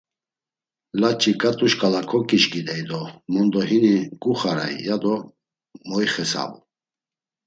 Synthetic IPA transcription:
lat͡ʃʼikʼat̪ʼuʃkʼalakʰɔkʼiʃkʼid̪ɛjd̪ɔmɔnd̪ɔɦinikʼuχaɾa̰j̰jad̪ɔ | mɔjχɛsa̰vṵ

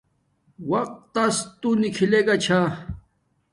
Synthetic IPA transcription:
waq̚t̪ast̪unikʰileɡat͡ɕʰa

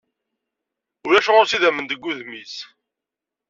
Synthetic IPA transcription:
ʊɾæʃʊʁoɾsiðæmənd̪əɡʷːuðmis

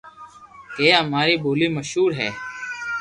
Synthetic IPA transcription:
keːɦəmaːɾiːbʱoːliːməʃɦuːɾɦɛ̰ː

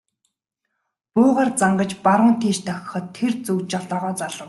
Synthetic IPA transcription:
pʊːʁaːrt͡saɴɢə̆t͡ɕpaɾə̆ŋt̪ʰiːʃt̪ʰœx̆ʲχɞ̆t̪ʰːert͡sɵkt͡ɕaɮt̪ɔːʁɔːt͡saɮə̆w

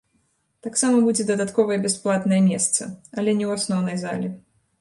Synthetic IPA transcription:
t̪aksamɐbud͡zʲɛd̪ɐd̪at̪kɔvɐjɛbʲasplˠat̪nɐjɛmʲɛst̪sɐ̰ɐlʲɛnʲɛwasnɔwnɐjza̰lʲɛ

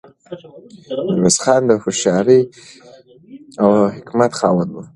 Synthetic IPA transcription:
ɾosxɑnd̪əfʊʃɑɾi | awhɪkmat̪xɑwənwu

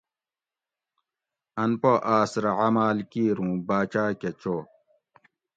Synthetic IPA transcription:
ɐnpoʔaːsɾɐʕamaːlkiːɾũːbaːt͡ɕaːket͡ɕoː

